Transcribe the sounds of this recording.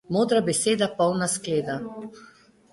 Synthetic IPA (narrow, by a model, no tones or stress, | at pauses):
moːd̪ɾabɛseːd̪apɔwnaskleːd̪a